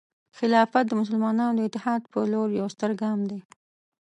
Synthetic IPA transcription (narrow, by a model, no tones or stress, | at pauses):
xɪlɑfat̪̚d̪əmʊs̬əlmɑnɑnod̪əɪt̪ːɪhɑd̪pəloɾjawst̪əɾɡɑmd̪e